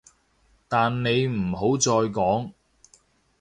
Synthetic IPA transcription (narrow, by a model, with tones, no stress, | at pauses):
t̪aː˨nne˨˧jm̩˨˩ho˨˥wt͡ʃɔː˧jkɔː˨˥ŋ